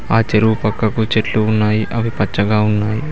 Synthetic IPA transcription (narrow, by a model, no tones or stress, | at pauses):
aːt͡ʃeɾuʋupɐkːɐkut͡ʃeʈluːnːaːjiʔɐʋipɐt͡ʃːɐɡaːunːaːji